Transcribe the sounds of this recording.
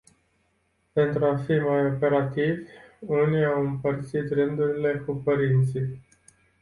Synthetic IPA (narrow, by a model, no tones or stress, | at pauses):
pe̞nt̪ɾuafimajo̞pe̞ɾat̪ivʲuniawɨmpərt̪sit̪rɨnd̪uɾile̞kupəɾint̪si